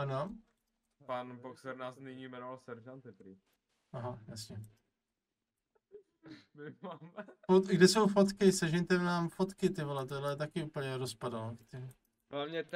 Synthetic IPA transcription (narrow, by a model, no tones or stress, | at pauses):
ano | panboksɛɾnaːsnɪɲiːmɛnovalsɛɾʒant̪ɪp̪ɾɪ | ʔaɦajasɲɛ | mɪmamfot̪ɡdɛsowfot̪kɪsɛʒɛɲt̪ɛmnaːmfot̪kɪt̪ɪvolɛt̪odlɛt̪akɪupl̩ɲɛɾospadalokt̪ɛm | avɲɛ